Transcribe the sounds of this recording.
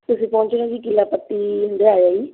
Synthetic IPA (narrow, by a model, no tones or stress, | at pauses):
t̪ʊsĩːpɔ̃ːɲt͡ʃnãːd͡ʒiːkɪlːaːpət̪ːiːɦʊ̃nd̪eːaːaːiː